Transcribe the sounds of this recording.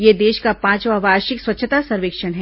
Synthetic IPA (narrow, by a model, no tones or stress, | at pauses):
jed̪eːʃkapãːt͡ʃʋaʋaːɾʃɪkswɐtːʃʰət̪asɐɾʋeːkʃənɦɛː